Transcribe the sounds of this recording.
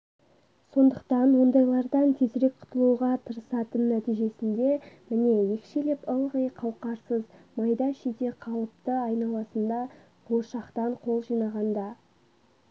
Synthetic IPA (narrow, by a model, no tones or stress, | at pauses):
so̞nd̪əq̚t̪ɑnwo̞nd̪ɑjlˠɑɾd̪ɑnt̪ʰe̞zɾe̞k̚qʰʊ̥t̪əlˠuʁɑt̪ʰəɾəsɑt̪ənːæt̪ijʒe̞sɪnd̪e̞mɪne̞je̞kʲʃelepəlˠʁəjqʰɑwqɑɾsəzmɑjd̪ɑʃed̪e̞qʰɑlˠəp̚t̪əɑjnɑlˠɑsənd̪ɑ | bʰoʃɑqt̪ɑɴqʰo̞lˠʒijnɑʁɑnd̪ɑ